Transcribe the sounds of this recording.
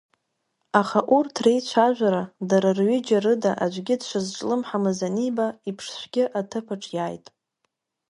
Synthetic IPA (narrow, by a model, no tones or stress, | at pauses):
aχaʔurtʰrejt͡ɕʷʰaʒᶣʷaɾadaɾarɥʏd͡ʒarɨdaʔad͡ʒʷʼɡʲɪdʃʷɨzʈ͡ʂʼlɨmħamɨzanibaipʰʂʃʷɡʲɪʔatʰɨpʰaʈ͡ʂʼjaːjtʼ